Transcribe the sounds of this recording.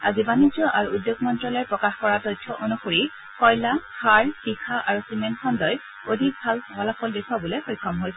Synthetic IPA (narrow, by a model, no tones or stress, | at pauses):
a̰zibanizɔʔaɹuːdjoɡmɔntɹɔlɛjpɹɔkaxkɔɹatɔjtʰːɔʔonuxoɹi | xɔjlakʰaɹxixʰaʔaɹusimenkʰɔndɔj | odʱik̚bʱalɔwalafʰɔldekʰwabulexojkʰːɔmɦojsɛ